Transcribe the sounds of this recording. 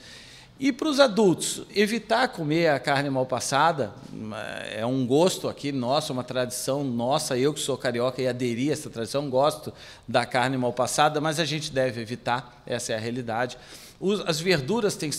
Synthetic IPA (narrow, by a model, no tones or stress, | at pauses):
ɪpɾʊzad̪uwt̪ʊ̥sevit̪aɾkomeɾɐkaɾnɪmawpasad̪ɐ̰ | ɛ̰ũɡost̪ʊakʰinɔsʊɛũmɐt̪ɾad͡ʒisɐ̃w̃nɔsɐewkɪ̥sokaɾiɔkɐɪad̪eɾiɛsɐt̪ɾad͡ʒisɐ̃w̃ɡɔst̪ʊ | d̪ɐkaɾnɪmawpasad̪ɐmɐzɐʒẽnt͡ʃɪd̪ɛvɪevit̪aɾ | ɛsɐɛɐɦealid̪ad͡ʒɪ | ʊzɐzveɾd̪uɾɐst̪ẽj̃